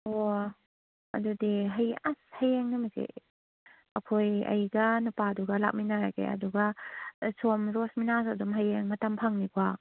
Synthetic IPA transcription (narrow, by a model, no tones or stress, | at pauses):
o | ɐ̰dudiɦɐjashajeŋnɐmɐzḛ | ɐkʰojɐ̰jɡɐnupaduɡɐla̰k̚minaɾakḛɐ̰duɡɐsomɾosminasɐdumɦɐjeŋmɐtɐmpʰaŋnikʰua